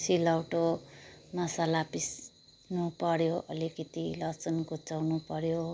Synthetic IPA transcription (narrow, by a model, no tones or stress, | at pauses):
silʌwʈomʌsalapis | nupʌɾjoʔʌ̰likit̪ilʌt͡sʌnkut͡sawnupʌɾjo